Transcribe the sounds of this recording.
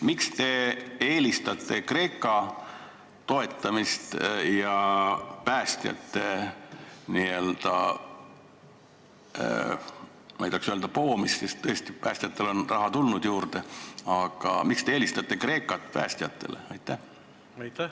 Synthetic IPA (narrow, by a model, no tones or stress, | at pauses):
mikst̪e̞eːlist̪ɑt̪ːˑe̞kre̞ːkːˑɑ | t̪o̞e̞t̪ːˑɑmist̪jɑpæːst̪jɑ̰t̪ːe̞ | niːø̞ld̪̥ɑ̰ | mɑjd̪ɑksyøe̞ld̪̥ɑpo̞ːmissest̪ːɤest̪ipæːst̪jɑt̪ːˑelo̞nrɑɦɑt̪ulnud̪̥juːrd̪e̞ɑɡ̥ɑ̰mikst̪e̞eːlist̪ɑt̪ːˑe̞kre̞ːkːˑɑt̪pæ̰ːst̪jɑt̪ːˑe̞̰lḛɑjt̪ːˑæh